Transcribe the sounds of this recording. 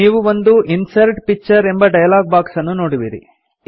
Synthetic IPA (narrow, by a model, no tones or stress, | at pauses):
iːʋuʋond̪uʔinsɐɾʈpik̚t͡ʃɐɾe̞mbɐɖɐjɐlaːɡ̚baːksɐnːunoːɽiʋiɾḭ